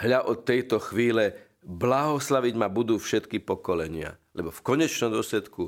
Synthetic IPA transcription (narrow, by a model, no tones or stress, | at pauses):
ɦʎaʔɔt̪ːɛjt̪ɔxʋiːlɛ | blaɦɔslaʋiɟmabud̪uːfʃɛt̪kipɔkɔlɛɲɪa̰ | lɛbɔfkɔɲɛt͡ʃnɔmd̪ʊɔslɛt̪ku